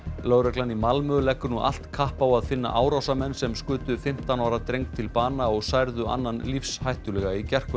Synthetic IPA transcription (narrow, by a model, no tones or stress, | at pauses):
lœːwɾɛklanimalmʏlɛkːʏɾnuʔa̰l̥t̪kʰahpawaðfɪnːa̰ʔaːwɾawsamɛnːsɛmskʏːt̪ʏfɪm̥t̪anaːwɾat̪ɾejŋk̚t̪ʰɪlpaːnaɔɣsajɾðʏa̰nːanlifshajht̪ʏlɛɣaicɛr̥kʏ